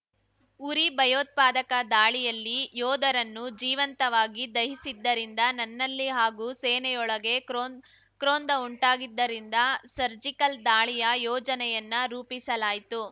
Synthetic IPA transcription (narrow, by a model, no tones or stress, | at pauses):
uɾibʱɐjoːt̪̚paːd̪ɐkɐd̪aːɭijɐlːijɔːd̪ɐɾɐnːud͡ʒiːʋɐnt̪ɐʋaːɡid̪ɐɦisid̪ːɐɾind̪ɐnɐnːɐlːiɦaːɡuːseːnɛjɔɭɐɡe̞ | kɾoːnd̪ɐuɳʈaːɡid̪ːɐɾind̪ɐsɐɾd͡ʒikɐld̪aːɭijɐjɔːd͡ʒɐnɛjɐnːɐɾuːpisɐlaːjit̪u